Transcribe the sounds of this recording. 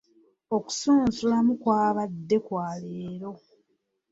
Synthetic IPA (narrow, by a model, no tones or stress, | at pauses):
o̞ku̥suːnzulamukwaːβadːe̞kwaːleːɾo̞